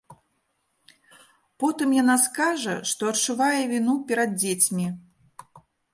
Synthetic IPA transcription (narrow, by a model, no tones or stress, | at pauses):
pɔt̪ɨmjanaskaʐɐ̰ʂt̪ɔɐt͡ʂuvajɛvʲinupʲɛɾɐd̪̚d͡zʲet͡sʲmʲi